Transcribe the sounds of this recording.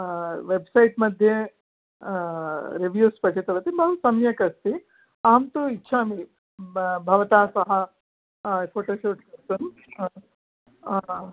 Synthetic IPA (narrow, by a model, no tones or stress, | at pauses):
ʋebsɐjʈmɐd̪ʱje | ɾiʋjuːspɐʈit̪ɐʋɐt̪ibɐɦusɐmjɐkɐst̪i | aːmt̪oitːʃʰaːmi | bʱɐʋɐt̪aːsɐɦɐ | pʰoːʈoːʃoːʈkɐɾt̪un